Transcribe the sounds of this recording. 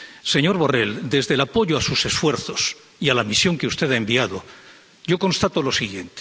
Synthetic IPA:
se̞ɲo̞ɾβo̞re̞ld̪e̞zðelapo̞ʝoasuse̞sfwe̞ɾθo̞s | ialamisjo̞ŋke̞ust̪e̞ðaembiaðo̞ | ɟ͡ʝo̞ko̞nst̪at̪o̞lo̞siɣje̞nt̪e̥

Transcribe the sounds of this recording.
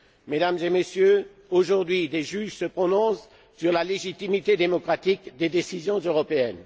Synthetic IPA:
med̪amzemesjø | oʒuʁd̪ɥid̪eʒyʒsəpχɔnɔ̃sː | yʁlaleʒit̪imit̪ed̪emɔkχat̪ikd̪ed̪esizjɔ̃zøʁɔpeɛn

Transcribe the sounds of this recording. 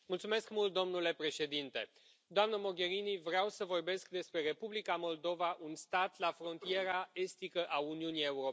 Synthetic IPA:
mult̪sume̞skmult̪̚d̪o̞mnule̞pɾe̞ʃe̞d̪int̪e̞ | d̪oamnəmo̞ɡe̞ɾinivɾeawsəvo̞rbe̞sk̚d̪e̞spɾe̞ɾe̞publikamo̞ld̪o̞vaʔunst̪at̪lafɾo̞nt̪ije̞ɾae̞st̪ikəʔauniunie̞uɾo

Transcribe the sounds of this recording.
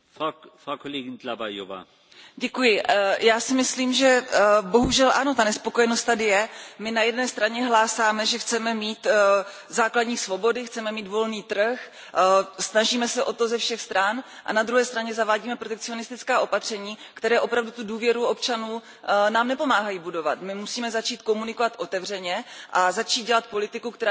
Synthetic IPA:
ffʁakʰoleːɡɪnlabajo̰va̰ː | ɟɛkujɪjaːsɪmɪsliːmʒɛbo̞ɦuʒɛlʔa̰no̞t̪anɛspo̞ko̞jɛnost̪t̪adɪjɛmɪnajɛdnɛːst̪ɾaɲɛɦlaːsaːmɛʒɛxt͡sɛmɛmiːt̪ | zaːkladɲiːsvo̞bo̞dɪxt͡sɛmɛmiːt̪vo̞lniːt̪r̩x | snaʒiːmɛsɛʔo̞t̪o̞zɛfʃɛxst̪ɾanʔa̰nad̪ɾuɦɛːst̪ɾaɲɛzavaːɟiːmɛpɾo̞t̪ɛkt͡sɪo̞nɪst̪ɪt͡skaːʔo̞pat̪r̝̥ɛɲiːkt̪ɛɾɛːʔo̞pɾavdut̪uduːvjɛɾuʔo̞pt͡ʃanuː | naːmnɛpo̞maːɦajiːbudo̞va̰t̪mɪmusiːmɛzat͡ʃiːt̪ko̞munɪko̞vat̪ʔo̞t̪ɛvr̝ɛɲɛʔazat͡ʃiːt̪̚ɟɛlat̪̚po̞lɪt̪ɪkukt̪ɛɾa

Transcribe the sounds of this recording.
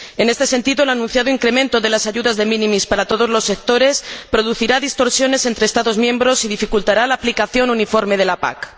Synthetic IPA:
e̞ne̞st̪ese̞nt̪iðoelanũnθjaðoiŋkɾe̞mẽ̞nt̪o̞ðe̞lasaʝuðazðe̞mĩnĩmispaɾat̪o̞ð̞o̞zlo̞sːe̞k̚t̪o̞ɾe̞spɾo̞ð̞uθiɾaðist̪o̞ɾsjo̞ne̞se̞nt̪ɾeːst̪aðo̞zmjẽ̞mbɾo̞sið̞ifikult̪aɾalaːplikaθjo̞nunifo̞ɾme̞ðe̞lapa̰k

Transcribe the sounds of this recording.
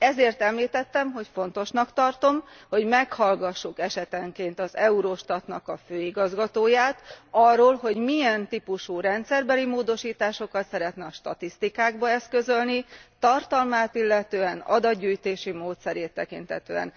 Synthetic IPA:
ɛzeːrt̪ɛmliːt̪ɛt̪ːɛmɦo̞cfo̞nt̪o̞ʃnɒkt̪ɒrt̪o̞mho̞ɟmɛkhɒlɡɒʃːukɛʃɛt̪ɛŋkeːnt̪ɒzɛuɾoʃt̪ɒt̪nɒkɒføːiɡɒzɡɒt̪oːjaːt̪ɒrːoːlɦo̞ɟmiɛnt̪ipuʃuːɾɛnt̪sɛrbɛlimoːd̪o̞ʃiːt̪aːʃo̞kɒt̪sɛɾɛt̪nɛɒʃt̪ɒt̪ist̪ikaːɡbɒɛst̪̚kø̞zølnit̪ɒrt̪ɒlmaːt̪ilːɛt̪øːɛnɒ̰d̪ɒd̪ɟyːjt̪eːʃimoːt̪sɛɾeːt̪ːɛkḭnt̪hɛt̪ø̰ːɛ̰n

